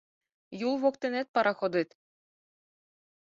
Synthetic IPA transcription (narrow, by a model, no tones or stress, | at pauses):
julˠβokt̪ĕnet̪̚pɑɾɑxod̪ɯt̪